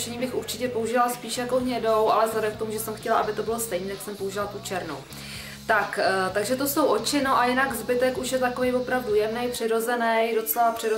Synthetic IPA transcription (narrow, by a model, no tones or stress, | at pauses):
ʃɛɲiːbɪxuɾt͡ʃɪcɛpo̞uʒɪvalspiːʃjako̞ɦɲɛdo̞wʔa̰lɛzlɛdɛmkt̪omuʒɛsɛmxcɛlaʔabɪt̪o̞bɪlost̪ɛjniːt̪j̪aksɛmpouʒɪvalt̪ut͡ʃɛɾno̰w | t̪akt̪aɡʒɛt̪oso̞wʔo̞t͡ʃɪnoʔajɪnaɡzbɪt̪ɛkuʃjɛt̪ako̞vejvo̞pɾavdujɛmnɛjpr̝̥ɪɾo̞zɛnɛjdo̞t͡sɛlapr̝̥ɪɾo